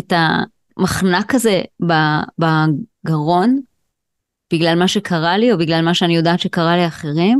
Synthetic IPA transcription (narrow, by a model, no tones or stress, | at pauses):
eta | maχnakazebabaɡaʁo̞n | b̥iɡlalmaʃe̞kʰaʁalio̞biɡlalmaʃeanijo̞daːtʃekaʁaliaχe̞ʁim